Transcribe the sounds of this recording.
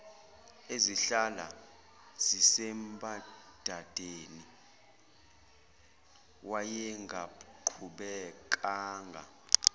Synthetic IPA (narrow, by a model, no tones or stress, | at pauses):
eziɬala̰ | z̥isɛmbʼad̥ʱad̥ʱeːni | wajɛŋɡʱaǃʰuɓɛkʼaːŋɡʱa̰